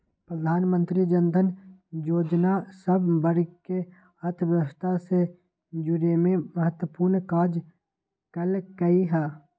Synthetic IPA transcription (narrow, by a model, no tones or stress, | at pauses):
pɾəd̪ʱaːnmə̃nt̪ɾid͡ʒənd̪ʱənjoːd͡ʒnasɐbbəɾke | ɐɾt̪ʰʋjəʋəst̪ʰase | d͡ʒʊɾemẽmɐɦət̪wəpuːɾnkaːd͡ʒ | kɐlɡɐiɦɛː